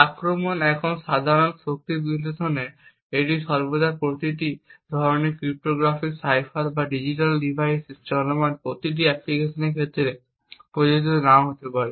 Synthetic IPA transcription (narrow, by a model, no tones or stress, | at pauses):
akɾɔmɔnɛkʰɔnsad̪ʱaɾɔnsok̚t̪ibilɔt̪ʰɔne | eʈisɔɾbɔd̪ʱaɾpɾot̪iʈid̪ʱɔɾɔnekɾip̚ʈoɡɾapʰiksajpʰaɾbaɖid͡ʒiʈalɖibʱajsist͡ʃɔlɔmanpot̪iʈ̬iɛplikesɔnekʰet̪ɾiɾe | pɾod͡ʒod͡ʒit̪ɔnaɦot̪epaɾe